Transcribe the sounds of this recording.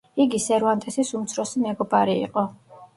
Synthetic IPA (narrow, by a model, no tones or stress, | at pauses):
iɡisɛɾvant̪ʼɛsisumt̪sʰɾɔsimɛɡɔbaɾḭːqʼɔ